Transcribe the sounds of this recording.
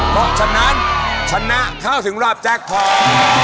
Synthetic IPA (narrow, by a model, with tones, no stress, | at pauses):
pʰɔ˦˥t͡ɕʰa˦˥nːa˦˥nt͡ɕʰa˦˥nːa˦˥˩kʰaː˥˩wt̪ʰɯ˩˦ŋɾaː˥˩p̚t͡ɕɛː˥˩k̚pʰɔː˧˩